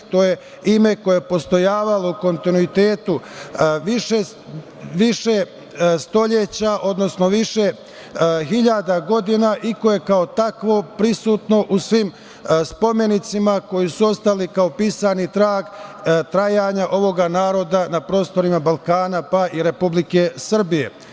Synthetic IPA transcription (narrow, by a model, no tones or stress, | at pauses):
t̪o̞ːje | ime̞ko̞jepo̞st̪o̞jaːʋalo̞uko̞nt̪inuit̪eːt̪uʋiʃe | ʋiʃe | st̪o̞ʎet͡ɕaʔo̞d̪no̞sno̞ʋiʃe | ɦiʎad̪aɡo̞d̪inaʔikoje̞kao̞t̪akʋo̞pɾisuːt̪no̞ʔusʋim | spo̞me̞nit̪simako̞jisuo̞st̪alikaopiːsanit̪ɾaːɡt̪ɾajaːɲaʔo̞ʋo̞ɡanaːɾo̞d̪anapɾo̞ːst̪o̞ɾimabalkaːnapaʔiɾe̞publike̞sr̩bije̞̰